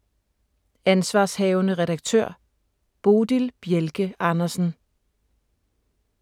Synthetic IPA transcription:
ænsʋɑ̈ːshɛːʊnəʁɛd̥ɑ̈ɡ̥̚t͡sʰø̰ɐ̰ | b̥o̝ːd̥ilb̥jelɡ̥əɑ̈nɐsn̩

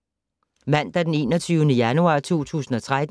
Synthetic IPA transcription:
mæn̰d̥æɐd̥ene̝̰ːnɒt͡sʰyːʊənəjænuɑ̰̈ːt͡sʰo̝̰ːt͡sʰṵːsn̩ɒ̽t͡sʰʁad̥

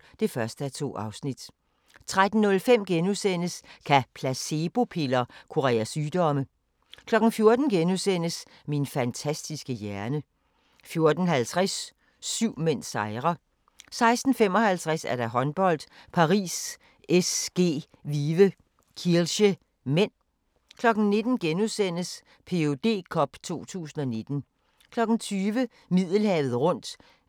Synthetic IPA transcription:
d̥e̝fɶɐsd̥əæɐt͡sʰo̝̰ːɑ̈ʊsnid̥ | t͡sʰʁad̥n̩ːɔ̽lfem̰ɡ̥enusen̰əskʰæpʰlæse̝b̥o̝pʰe̝lɐkʰo̝ʁɛ̰ːæsyːd̥ɒ̽mə | kʰlɒ̽ɡ̥n̩fjo̝ɐd̥n̩ɡ̥enusen̰əs | minfænt͡sʰæsd̥isɡ̥əjæɐnə | fjo̝ɐd̥n̩ɦælt͡sʰʁasː | yʊ̰men̰sɑ̈ɪʁɐ | sɑ̈ɪsd̥n̩fem̰ɒ̽hælt͡sʰʁasæɐɾ̥ɑ̈ɦɒ̽nb̥ɒ̽l̰d̥pʰɑ̈ʁḭːs | esɡ̥e̝̰ː | ʋiʋə | kʰiɐlɕə | men̰ | kʰlɒ̽ɡ̥n̩ne̝d̥n̩ɡ̥enusen̰əs | pʰe̝o̝d̥e̝̰ːkʰɒ̽b̥t͡sʰo̝̰ːt͡sʰṵːsn̩ɒ̽ne̝d̥n̩ | kʰlɒ̽ɡ̥n̩t͡sʰyːʋə | mið̞̰ˠl̩hɛːʊð̩ˠʁɔ̽n̰d̥

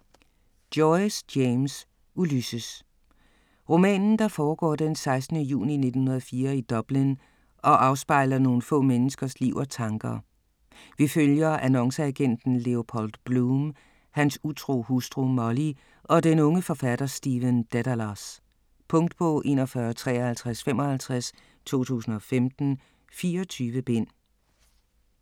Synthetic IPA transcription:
d̥jɔɪsjeɪms | ulysəs | ʁo̝mɛ̰ːnn̩d̥ɑ̈fɒːɡ̥ɒ̰ːd̥ensɑ̈ɪsd̥nəjṵːnine̝̥ən̩hunɐð̩ˠfiːɐid̥ɒ̽b̥lin | ʔɒ̽ʔɑ̈ʊsb̥ɑ̈ɪ̰lɐno̝ːn̩fɔ̰̽ːmenəsɡ̥ɐsliʊ̰ɒ̽t͡sʰɑ̈ŋɡ̥ɐ | ʋiføljɐʔænɒ̽ŋsəæɡ̥en̰d̥n̩le̝o̝pʰɒld̥b̥lum | hænsut͡sʰʁo̝̰ːhusd̥ʁumɒli | ʔɒ̽d̥enɔ̽ŋəfɒ̽fæd̥ɐsd̥iʋənd̥æɾælɑs | pʰɔ̽ŋ̰d̥̚pʰɔ̽ʔe̝̰ːnɒfɶːɐt͡sʰʁɛ̰ːɐhælt͡sʰʁasfem̰ɒ̽hælt͡sʰʁas | t͡sʰo̝̰ːt͡sʰṵːsn̩ɒ̽femd̥n̩ | fiːɐɒt͡sʰyːʋəb̥e̝n̰

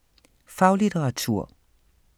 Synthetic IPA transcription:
fɑ̈ʊlit͡sʰeʁɑ̈t͡sʰuɐ̰

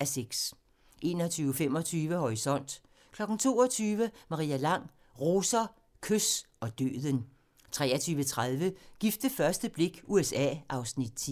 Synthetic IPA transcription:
æseɡ̥s | ʔe̝ːnɒt͡sʰyːʊfem̰ɒ̽t͡sʰyːʋəhɒʁisɒ̽n̰d̥ | kʰlɒ̽ɡ̥n̩t͡sʰo̝̰ːɒ̽t͡sʰyːʋəmɑ̈ʁḭːælɑ̈ŋ̰ | ʁoːsɐ | kʰøsɒ̽d̥ø̰ːðˠən | t͡sʰʁɛ̰ːɐt͡sʰyːʋət͡sʰʁaðˠʋəɡ̥ifd̥əfɶɐsd̥əb̥le̝ɡ̥uesɛ̰ːʔɑ̈ʊsnid̥̚t͡sʰi

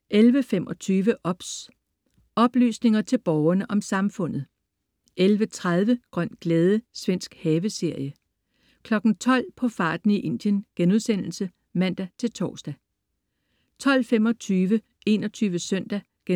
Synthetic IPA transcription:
ʔelʋəfemʔɒ̽t͡sʰyːʋəʔɒ̽b̥s | ɒ̽b̥ly̰ːsne̝ŋɐt͡sʰe̝lb̥ɒʊɐnəʔɒ̽msɑ̈mfɔ̽n̰ð̞̩ˠ | ʔelʋət͡sʰʁað̞ˠʋəɡ̥ʁɶn̰̥ɡ̥lɛːðˠəsʋen̰sɡ̥hɛːʋəse̝ɐ̰jə | kʰlɒ̽ɡ̥n̩t͡sʰɒ̽l̰pʰɒ̽fɑ̈ːd̥n̩iʔe̝n̰d̥jənɡ̥enuðˠsen̰l̩sə | mæn̰d̥æt͡sʰe̝lt͡sʰɒ̰ːsd̥æ | t͡sʰɒ̽l̰femɒ̽t͡sʰyːʋə | e̝nɒt͡sʰyːʋəsœn̰d̥æ | ɡ̥e

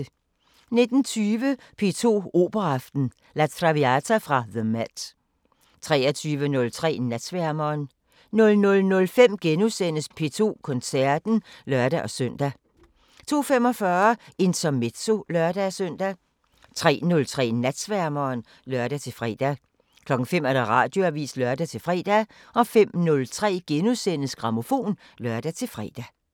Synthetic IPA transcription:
ne̝d̥n̩t͡sʰyːʋə | pʰe̝̰ːt͡sʰo̝̰ːo̝̰ːb̥ɐɑfd̥n̩ | læ̥t͡sʰʁɑ̈ʋiæt͡sʰæfʁɑ̈ðəmæd̥ | t͡sʰʁɛ̰ːɐt͡sʰyːʋənɔ̽lt͡sʰʁɛ̰ːnæd̥sʋæɐmɐːn | nɔ̽lnɔ̽lnɔ̽lfem̰ɡ̥enusen̰əspʰe̝̰ːt͡sʰo̝̰ːkʰɔ̽nsæɐ̰d̥n̩lɶɐd̥æʔɒ̽sœn̰d̥æ | t͡sʰo̝̰ːfem̰ɒ̽fɶɐe̝nt͡sʰɒmedso̝lɶɐd̥æsøn̰d̥æ | t͡sʰʁɛ̰ːnɔ̽lt͡sʰʁɛ̰ːnæd̥sʋæɐmɐːn | lɶɐd̥æt͡sʰe̝lfʁɛ̰d̥æ | kʰlɒ̽ɡ̥ŋ̩fem̰æɐ̥ɑ̈ʁɑ̈ːd̥jo̝æʋḭːslœɐd̥æt͡sʰe̝lfʁɛ̰ːd̥æʔɒ̽fem̰nɔ̽lt͡sʰʁɛ̰ːɡ̥enusenəsɡ̥ʁɑ̈mo̝fo̝̰ːn | lɶɐd̥æt͡sʰe̝lfʁɛ̰ːd̥æ

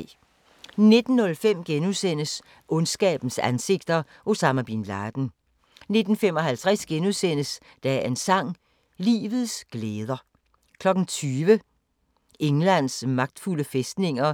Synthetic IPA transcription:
ne̝d̥n̩ːɔ̽lfem̰ɡ̥enusen̰əs | ʔɔ̽nsɡ̥ɛ̰ːb̥n̩sænse̝ɡ̥̚d̥ɐ | ʔosɑ̈mæb̥inlɑːd̥n̩ | ne̝d̥n̩femɒ̽ɦælt͡sʰʁasɡ̥enusen̰əs | d̥æe̝nsɑ̈ŋ̰ | lḭːʋð̩ˠsɡ̥leːð̞ˠɐ | kʰlɒ̽ɡ̥n̩t͡sʰyːʋə | eŋlæn̰smɑ̈ɡ̥̚d̥fuləfesd̥ne̝ŋ̰ɐ

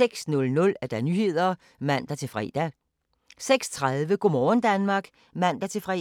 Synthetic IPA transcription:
seɡ̥snɔ̽lnɔ̽læɐd̥ænyhe̝ð̰ˠɐ | mæn̰d̥æt͡sʰe̝lfʁɛ̰ːd̥æ | seɡ̥st͡sʰʁaðˠʋəɡ̥o̝mɒːn̩d̥ænmɑ̈ːɡ̥ | mæn̰d̥æt͡sʰe̝lfʁɛ̰

